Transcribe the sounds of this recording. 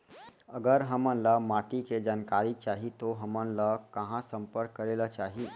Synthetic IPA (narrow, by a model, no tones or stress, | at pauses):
əɡəɾɦəmənləmaʈiked͡ʒaːnkaɾit͡ʃaːɦit̪oɦəmənləkəɦãsəmpəɾkːəɾelət͡ʃaːɦi